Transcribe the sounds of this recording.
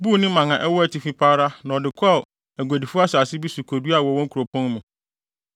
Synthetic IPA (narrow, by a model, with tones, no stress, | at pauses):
bu˦˨nɪ̃˦mã˨ŋã˨ʔɛ˦wɔ˦æ˦˨tʰi˨fi˦pʰaː˦ɾa˦nã˨ɔ˨dɪ˨kʰɔ˦˨ | æ˨ɡʷa˨di˨fʊ˦a˦sa˨sɪ˦bi˦su˨kʰo˨du˦a˨wɔ˨wɔ̃˦ŋ˦kʰu˨ɾo˨pʰɔ̃˦n˦mũ˨